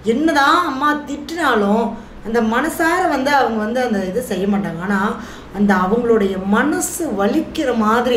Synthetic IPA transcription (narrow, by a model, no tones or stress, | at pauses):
ɛnːɐðãːɐmːaːt̪ɪʈːɪnaːɭʊ̃ | ɐnd̪ɐmɐnɐsaːɾɐʋɐnd̪ɯɐʋɐŋɡɐʋɐnd̪ɯɐnd̪ɐɪðɯsɛjːɐmaːʈːaːŋɡɐnːaː | ɐnd̪ɐɐʋɐŋɡɐɭɯɽɐjɐmɐnɐsɯʋɐɭɪkːɪɾɐmaːðɪɾi